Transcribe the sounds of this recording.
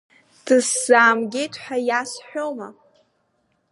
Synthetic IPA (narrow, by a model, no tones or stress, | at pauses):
d̥ɨszaːmɡʲetʰħʷajasħʷᶣoma